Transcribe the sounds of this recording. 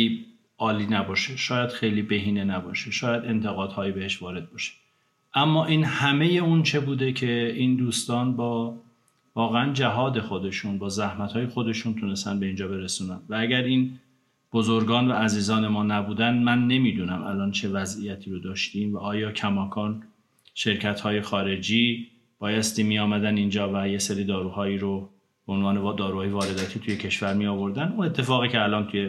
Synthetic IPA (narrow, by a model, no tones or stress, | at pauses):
i | ɒːliːnæbɒːʃeʃɒːjæd̪̥xe̞jliːbe̞ɦiːnenæbɒːʃeʃɒːjæd̪e̞nt̪ʰe̞ɣɒːd̪hɒːjibe̞ɦeʃvɒːɾe̞d̪̚bɒʃe̥ | ʔæmːɒːʔiːnhæme̞je̞unt͡ʃʰe̞buːd̪e̞cʰe̞ʔiːnd̪uːst̪ɒːnbɒː | vɒːɣeænd͡ʒæɦɒːd̪e̞xo̞d̪e̞ʃunbɒːzæhmæt̪hɒːje̞xo̞d̪e̞ʃunt̪ʰune̞st̪ænbe̞iːnd͡ʒɒːbe̞ɾesuːnænd̪vææɟæɾiːn | b̥ozoɾɡɒːnvææziːzɒːne̞mɒːnæbuːd̪ænd̪mænːe̞miːd̪uːnæmælɒːnt͡ʃʰe̞væzijæt̪ʰiːɾod̪ɒːʃt̪iːmvæʔɒːjɒːcʰæmɒːkʰɒːn | ʃe̞ɾcʰæt̪hɒːje̞xɒːɾe̞d͡ʒiː | b̥ɒːjæst̪iːmijɒːmæd̪ænind͡ʒɒːvæje̞seɾiːd̪ɒːɾuːhɒːiːɾo | b̥eonvɒːned̪ɒːɾuːhɒːjevɒːɾe̞d̪ɒːt̪ʰiːt̪ʰuje̞cʰe̞ʃvæɾmijɒːvo̞ɾd̪ænune̞t̪ʰːe̞fɒːɣiːceælʔɒːnt̪ʰuje